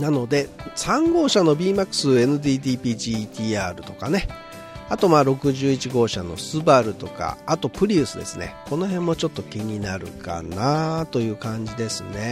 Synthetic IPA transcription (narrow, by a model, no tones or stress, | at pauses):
nano̞d̪e̞sãŋɡo̞ːɕano̞bʲiːmakːɯ̟̥sɨe̞nɯ̟d̪iːd̪iːpʲiːʑit̪ʲiːaːɾɯ̟t̪o̞kane̞ | at̪o̞maːɾo̞kɯ̟ʑɨːit͡ɕiɡo̞ːɕano̞̰sɨbaɾɯ̟t̪o̞ka̰ːt̪o̞pɯ̟ɾʲiɯ̟sɨd̪e̞̰sɨne̞̰ko̞no̞ɦẽ̞mːo̞t͡ɕo̞t̪ːokʲiɲ̟inaɾɯ̟̰ka̰nat̪o̞jɯ̟ːkãɲ̟d͡ʑid̪e̞sɨne̞